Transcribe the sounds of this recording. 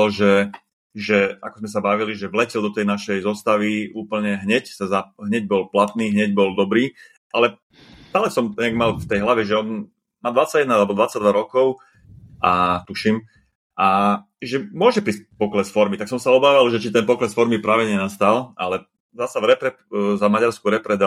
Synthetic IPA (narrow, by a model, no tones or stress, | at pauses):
lʒɛ | ʒɛa̰kɔzmɛs̬abaʋiliʒɛʋlɛcɛld̪ɔt̪ɛjnaʃɛjzɔst̪aʋiuːpl̩ɲɛɦɲɛcsazaɦɲɛɟ̚bɔlplat̪niːɦɲɛɟbɔld̪ɔbɾiː | ʔalɛ | d̪̥aːlɛsɔmɲɛaɡmalft̪ɛjɦlaʋɛʒɛɔn | maːd̪ʋat͡saɟɛd̪naalɛbɔd̪ʋat͡saɟ̚d̪ʋaɾɔkɔʊ | ʔat̪uʃim | ʔa | ʒɛmʊɔʒɛpɾiːsc̚pɔklɛsfɔɾmit̪aksɔmsaɔbaːʋalʒɛt͡ʃit̪ɛnpɔklɛsfɔɾmipɾaːʋɛɲɛnast̪alʔa̰lɛ | zasavɾɛpɾɛ | zamaɟaɾskuɾɛpɾɛd̪a